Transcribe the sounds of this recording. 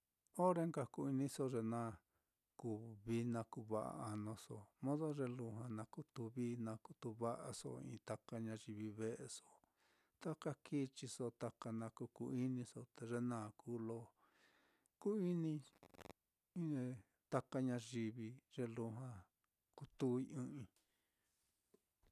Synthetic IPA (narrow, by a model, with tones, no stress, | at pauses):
o˦ɾe˧˦ŋka˧ku˧i˧nĩ˧˦so˧ʐe˧nã˦ | ku˧βi˧nã˧ku˧βa˧ʔa̰˧a˧nõ˧so̰˧˨mõ˦ðo˦ʐe˧lu˧ɦã˧nã˧ku˦t̪u˧βiː˦nã˧ku̥˧t̪u˧βa˦ʔa˧so̰˧ḭ̃˧t̪a˧ka˧ɲã˧ʒi˧βi˧βe˦ʔe˧so˧ | t̪a˦ka˦ki˦t͡ʃi˧so˧t̪a˧ka˧nã˧ku˧ku˧i˦nĩ˧so˧t̪e˧ʐe˦nãː˦˨ku˧˦lo˧ | ku˦i˦nĩ˧ | ĩ˧ | t̪a˧ka˧ɲã˧ʒi˧βi˧ʐ̥e˧lu˧ɦã˧ | ku˧t̪u˦i˧ĩ˧ʔĩ˧